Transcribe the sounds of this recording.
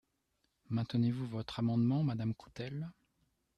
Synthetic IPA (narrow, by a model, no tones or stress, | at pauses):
mɛ̃t̪ənevuvɔt̪χamɑ̃d̪mɑ̃mad̪amkʰu̥t̪ɛl